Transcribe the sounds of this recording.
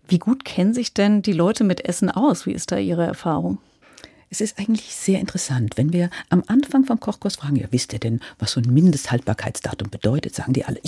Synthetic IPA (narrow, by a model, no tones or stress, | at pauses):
viːɡuːtkʰɛnənzɪçd̥ɛndiːlɔʏtəmɪtʔɛsn̩ʔa̰ʊsv̥ḭːʔɪst̚d̥a̰ːʔiːʁ̞əɛ̰ɐfaːʁʊŋ | ʔɛsɪstʔaɪɡŋ̩tlɪçz̥eːɐʔɪntə̥ʁɛsantv̥ɛnviːɐʔamʔanfaŋfɔmkʰɔχkʊɐsfʁ̥aːɡŋ̩ja̰ːvɪstiːɐdɛnvasz̥oːnmɪndəsthalt̚b̥aːɐkʰaɪtsd̥a̰ːtʊmbəd̥ɔʏtətz̥a̰ːɡŋ̩diːɐʔa̰lə